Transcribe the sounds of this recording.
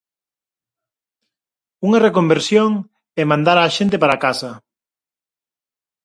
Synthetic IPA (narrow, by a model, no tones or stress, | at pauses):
uŋɐrekombeɾsjoŋ | ɛmãnd̪aɾaːʃent̪ɪpaɾakasɐ